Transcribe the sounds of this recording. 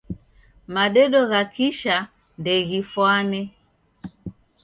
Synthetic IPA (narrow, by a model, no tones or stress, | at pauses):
maɗɛɗɔɣakiʃa | ndɛɣifwanɛ